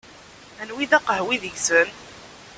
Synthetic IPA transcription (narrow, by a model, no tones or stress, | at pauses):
ænwiðæqəhwiðəʝsən